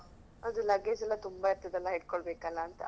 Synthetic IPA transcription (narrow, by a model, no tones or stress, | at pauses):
ɐd̪ulɐɡesɐlːɐt̪umbaɐɾt̪jɐd̪ɐlːɐɦeɽkoɭbeːkɐlːɐːnt̪ɐ̰